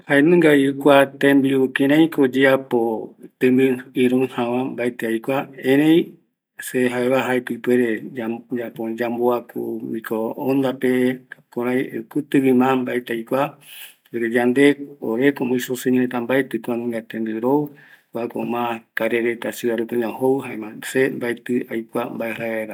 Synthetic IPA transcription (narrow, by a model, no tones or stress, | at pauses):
haenɨ̃ŋɡajukʷat̪ẽmbiukẽɾãĩkod͡ʒeapot̪ɨmbɨɨɾõhãʋãmbaet̪eajkʷaẽɾ̃ẽj̃ | seɦaeβaɦaepɨpeɾed͡ʒapod͡ʒamboako̰mĩkʰoõnd̪apekoɾãj̃kɨt̪ɨβĩmãmbaet̪eajkʷa | ɾed͡ʒand̪e̞oɾekomõjsoseɲ̃hẽt̪ambaet̪ɨkoãnĩŋɡat̪end̪ɨɾokako̰mãkaɾeɾet̪asiaɾukeɲãhowɨɦaemãsembaet̪ɨajkʷambaeɦaeɾa